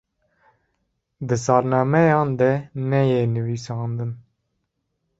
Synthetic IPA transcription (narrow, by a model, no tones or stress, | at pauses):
d̪ɨsɑːɾnɑːmɛjɑːnd̪ɛnɛjenɨviːsɑːnd̪ɨn